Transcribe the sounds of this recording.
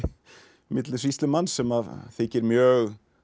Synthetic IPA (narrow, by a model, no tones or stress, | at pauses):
mɪt̪lɪsvist̪lɪmansɛmaðθɪcɪɾmjœɣ